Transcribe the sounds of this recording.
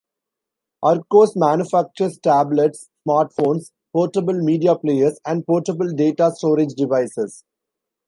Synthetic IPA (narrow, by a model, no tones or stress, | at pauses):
ʔʌɾkoːsmæ̃ːnjʊfæk̚t͡ʃəɾsʈæːbleʈsːmaːɾʈfõːns | pɔːɾʈəbəlmiːɖiapleːəɾsæ̃ɳɖ̚pɔːɾʈəbəlɖeːʈaːsʈoːɾed͡ʒɖɪʋaɪsɪs